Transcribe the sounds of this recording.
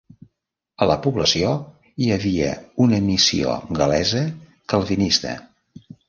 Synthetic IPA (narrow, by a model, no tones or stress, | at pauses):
ələpuβləsio | iəβiə̰unəmisio̰ɡəlɛzə | kəlˠβinist̪ə̰